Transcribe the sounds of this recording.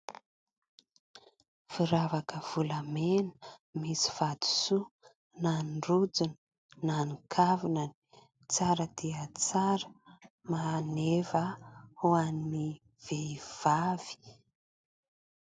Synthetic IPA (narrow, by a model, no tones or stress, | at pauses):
fiɾavakəv̥ulamenə̥misi̥v̥ad̪u̥su | nanrud͡zun | nanikʰavinani̥ | t͡saɾəd̪eət͡saɾə̥ | manevəhuanni | v̥eiv̥av̥i̥